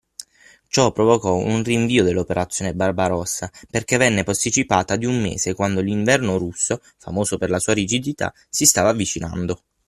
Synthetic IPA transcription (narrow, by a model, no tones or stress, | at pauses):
t͡ʃɔpːɾovokɔṵnriɱviːod̪elːopeɾat̪sːjoːnebarbaɾɔsːaperkevɛnːepast̪it͡ʃipaːt̪ad̪iumːḛːsekwand̪oliɱvɛrnoɾusːo | fa̰moːsoperlasuːaɾid͡ʒid̪it̪a̰ | sist̪aːvavːit͡ʃina̰nd̪o